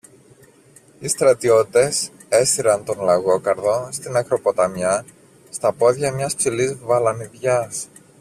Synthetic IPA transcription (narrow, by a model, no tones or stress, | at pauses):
ist̪ɾɐt̪io̞t̪it̪e̞s | e̞siɾɐnt̪o̞nlɐɣo̞kɐɾðo̞st̪inɐkɾo̞po̞t̪ɐmɲɐ | st̪ɐpo̞ðʝɐmɲɐspsilizvɐlɐniðʝɐs